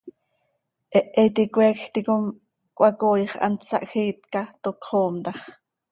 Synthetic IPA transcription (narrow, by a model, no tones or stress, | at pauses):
ʔɛʔɛt̪ikʷɛːkxt̪ikom | kʷʔɑkoːjχɑ̰nt͡sɑ̰ʔxiːt̪kɑt̪okχoːmt̪ɑχ